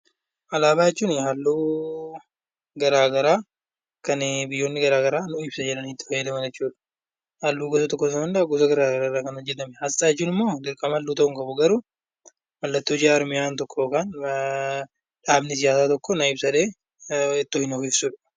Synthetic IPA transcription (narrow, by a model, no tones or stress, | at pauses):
ʔɐlaːbaːjɛt͡ʃːuːnɪhɐlːuː | ɡɐɾaːɡɐɾaː | kɐnbɪjːoːnːɪɡɐɾaːɡɐɾaːnʊɪbsɐd͡ʒɛlɐnhɪt̪ːɪ̥fɐjːɐd̪ɐmɐnd͡ʒɛt͡ʃːuːᶑɐ̥ | hɐlːuːɡɔsɐt̪ɔkːɔsɐɐnd̪ɐɐɡʊsɐɡɐɾaːɡɐɾaːɾaːkɐnɔd͡ʒːɛt̪ɐmɛhɐsaːjɛt͡ʃːuːnɪmːoːd̪ɪɾkʼɐmɐlːuːt̪ɐʊŋkʼɐbʊɡɐɾu | mɐlːɐt̪ːoːd͡ʒɪaːɾmɪjaːnt̪ɔkʰːoːkaːn | ᶑaːbnɪs̬ɪjaːsaːt̪ɔkːɔnɐɪbsɐᶑeː | ɪt̪ːohɪnɔkɪfsuːᶑɐ̥